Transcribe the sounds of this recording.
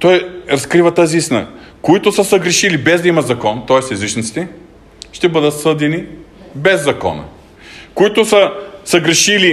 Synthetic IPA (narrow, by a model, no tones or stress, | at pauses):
t̪ɔjɾɐskɾivɐt̪aziist̪inə̰ | koit̪ʊsəsɐɡɾɛʃilibɛzd̪ɐimɐt̪zɐkɔnt̪ɔɛsɛzit͡ʃnit̪si̥t̪ɛ | ʃt̪ɛbɤd̪ət̪sɤd̪ɛni | bɛzːɐkɔ̰nə̰ | koit̪ʊsəsɐɡɾɛʃili